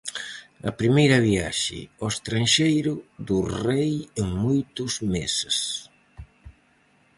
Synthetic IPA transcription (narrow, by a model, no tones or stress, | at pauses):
ɐ̰pɾimejɾɐβiaʃɪ̰ɔest̪ɾaŋʃejɾʊðurejeŋmojt̪ʊzmeses